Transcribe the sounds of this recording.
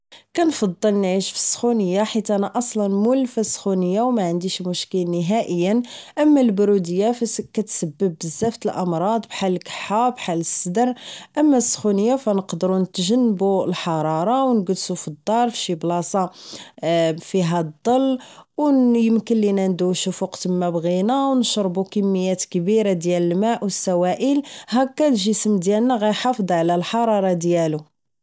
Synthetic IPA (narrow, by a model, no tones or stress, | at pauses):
kænfɑd̪ˤːəlnʕiʃfi̥sːxunəjːaħit̪ʔænæʔɑsˤlɑnmulfæsxunəjːawmæʕənd̪iʃmʊʃkəlnəɦæʔəjːənʔəmːælbɾud̪əjːakæt̪səbːəb̚ːəzːæft̪əlʔɑmɾˤɑd̪ˤbħalkħabħaləsːəd̪əɾʔəmːæsːxunəjːafænəqd̪ɾunət̪ʒənːəbuəlħɑɾˤɑɾˤɑwnɡəd̪sufid̪ˤːɑɾˤfʃiblɑsˤɑ | fiɦæd̪ˤːɑlːwjəmkəlːinænd̪uʃufuqt̪əmːæbɣinawnʃɾˤbukəmːəjːæt̪kbiɾad̪jæləlmæʔwəsːæwæʔəlɦækːælʒisəmd̪jælnæɣæjħɑfd̪ˤʕlælħɑɾˤɑɾˤɑd̪jælu